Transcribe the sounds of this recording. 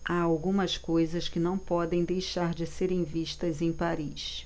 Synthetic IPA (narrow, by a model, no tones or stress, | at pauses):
aawɡũmɐskojzɐskɪnɐ̃w̃pɔd̪ẽj̃d̪ejʃaɾd͡ʒɪseɾẽj̃viʃt̪ɐzẽj̃paɾiʃ